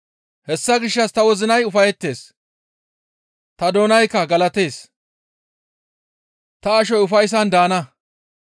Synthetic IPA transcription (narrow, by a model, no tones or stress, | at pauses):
hɛsːɐɡɪʃːɐst̪ɐwɔzɪnɐjʊfɐjɛt̪ːe̞ːs | t̪ɐd̪oːnɐjkːɐɡɐlɐt̪e̞ːs | t̪ɐːʃ̬ɔjʊfɐjs̬ɐnd̪aːnɐ